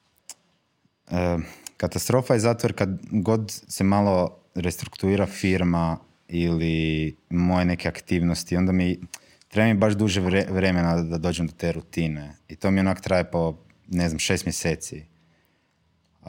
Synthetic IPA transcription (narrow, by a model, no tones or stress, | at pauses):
əkat̪ast̪ɾo̞fajezaːt̪ʋoɾkad̪ɡo̞d̪semalˠo̞ | ɾest̪ɾukt̪uiːɾafiɾma | ilimo̞jenekeakt̪iːʋnost̪io̞nd̪ami | t̪ɾe̞bamibaʒd̪uʒeʋɾe̞menad̪ad̪o̞ːd͡ʒemd̪ot̪e̞ːɾut̪ine̞it̪o̞mionaːko̥t̪ɾajepo̞ | ne̞zamʃe̞st̪mjese̞ːt̪si